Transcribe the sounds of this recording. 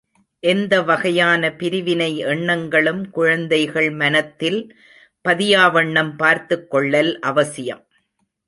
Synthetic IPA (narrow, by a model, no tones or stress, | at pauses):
ʔɛnd̪ɐʋɐɣɐjaːnɐpɪɾɪʋɪnɐɪɛɳːɐŋɡɐɭɯmkʊɻɐnd̪ɐɪɣɐɭmɐnɐt̪ːɪl | pɐðɪjaːʋɐɳːɐmpaːɾt̪ɯkːɔɭːɐlʔɐʋɐsɪjɐ̰m